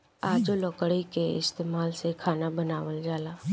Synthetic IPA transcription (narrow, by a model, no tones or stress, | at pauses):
aːd͡ʒolɔːkəɽikeɪ̰st̪eːmaːlsekʰaːnabənaːʋəld͡ʒaːlaː